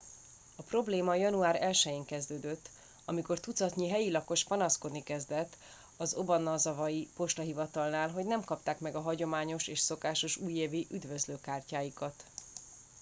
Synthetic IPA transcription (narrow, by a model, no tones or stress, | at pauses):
ɒpro̞bleːmɒjɒnuaːɾɛlʃɛjeːŋkɛzd̪øːd̪øt̪ː | ɒmiko̞rt̪ut̪sɒt̪ɲiɦɛjilɒko̞ʃpɒnɒsko̞d̪nikɛzd̪ɛt̪ː | ɒzo̞bɒnɒzɒvɒjipo̞ʃt̪ɒɦivɒt̪ɒlnaːlɦo̞ɟnɛmkɒpt̪aːkmɛɡɒɦɒɟo̞maːɲo̞ʃeːʃso̞kaːʃo̞ʃuːjeːviʔyd̪vøzløːkaːrcaːjikɒt̪